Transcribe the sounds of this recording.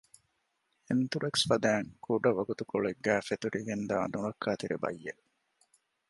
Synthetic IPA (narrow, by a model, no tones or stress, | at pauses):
ent̪uɾeksfɐd̪æːŋkʰuɖɐʋɐɡut̪ukoɭeɡːæːfet̪uɾʔiɡend̪a̰ːnuɾɐkʰːaːt̪iɾebɐ̰jːe